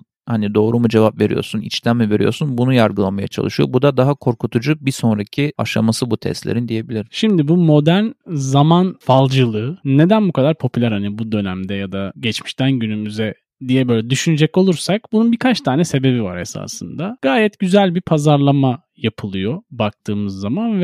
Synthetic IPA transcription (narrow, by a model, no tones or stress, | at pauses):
hanid̪o̞ːɾumud͡ʒe̞vapve̞ɾḭjo̞̰ɾsunḭt͡ʃlæmːɛve̞ɾijo̞̰sunbunujaɾɡɯlˠamaja̰t͡ʃʰa̰lˠɯʃɯjo̞̰bud̪ad̪aɦakʰo̞ɾkut̪ʰud͡ʒubiso̞nɾacʰia̰ʃa̰masɯbut̪ʰɛ̰st̪lʲeɾind̪ije̞bilʲiɾʃimd̪ibumo̞d̪ænzamanfalˠd͡ʒɯlˠɯːe̞d̪ænbukʰad̪aɾpʰo̞pʰylʲæɾhanibud̪ø̞næmd̪ɛjad̪aɟɛt͡ʃmiʃt̪ʰænɟynymyzɛ | d̪ijɛbø̞ːjlʲɛd̪yʃynyd͡ʒɛco̞lˠuɾsak̚bununbikʰat͡ʃt̪ʰaːnɛse̞be̞biva̰ɾe̞sa̰ːsɯnd̪aɡ̥aːjɛt̪ɟyzælʲbipʰazaɾlˠama | japʰɯlˠɯjo̞bak̚t̪ʰɯːmɯzːamanvɛ